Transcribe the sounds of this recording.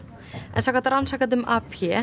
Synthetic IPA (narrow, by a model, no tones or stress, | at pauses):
ɛ̰nθakat̪aɾansakant̪ɪmapçɛ